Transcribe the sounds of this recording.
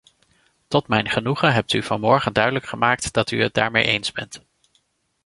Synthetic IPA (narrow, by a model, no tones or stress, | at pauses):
tɔtmɛjnχənuχəɦɛp̚tyv̥ɑnmɔɹχəndœɥdələkχəmaːk̚td̥ɑtyət̚da̰ːɹmḛjʔejnzbɛnt